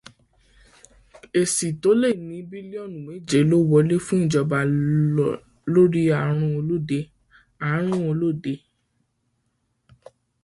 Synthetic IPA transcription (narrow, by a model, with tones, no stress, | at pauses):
e˨si˨to˨˦le˦˨nĩ˨˧˦bi˦li˦ɔ˦˨nũ˨wẽ˨˦d͡ʒe˨˦lo˦wɔ˧le˦fũ˦˨d͡ʒɔ˨˧ba˧˨ | lo˦ɾi˦a˨ɾ̃ũ˧o˧lo˦˨de˧ | a˨˦ɾ̃ũ˦o˧lo˦˨de˧